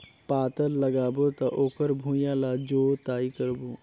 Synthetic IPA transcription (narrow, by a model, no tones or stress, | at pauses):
paːt̪əɾləɡaːbot̪aʔoːkəɾbʱũːjãːlaːd͡ʒoːt̪aːikəɾboː